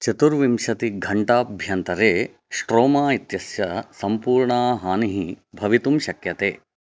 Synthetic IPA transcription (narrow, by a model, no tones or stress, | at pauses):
t͡ʃɐt̪uɾʋimʃɐt̪iɡʱɐɳʈaːbʱjɐnt̪ɐɾeː | sʈɾoːmaːit̪jɐsjɐsɐmpuːɾɳaːɦaːniɦibʱɐʋit̪umʃɐkjɐt̪eː